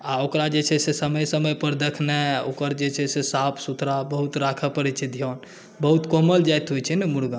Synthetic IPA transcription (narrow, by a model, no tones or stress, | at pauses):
aokɾad͡ʒet͡ʃʰɛsesəməjsəməjpəɾd̪ekʰnɛokəɾd͡ʒet͡ʃʰɛsesapʰsut̪ɾabəɦut̪ɾakʰəpəɾɛt͡ʃʰɛd̪ʱjɔn | bəɦut̪koməld͡ʒajt̪ɦojt͡ʃʰɛnɛmuɽɡã